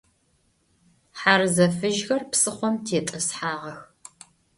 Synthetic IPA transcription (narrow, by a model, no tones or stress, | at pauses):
ħarɨzɐfɨʒɣɐrpsɨχʷɔmtʰeːtʼɐsħaːʁɐx